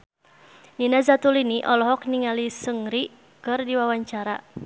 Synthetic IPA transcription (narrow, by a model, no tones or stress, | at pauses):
ninazat̪uliniʔɔlɔɦɔk̚niŋalisəŋɾi | kɨrdiwawaɲt͡ʃaɾa̰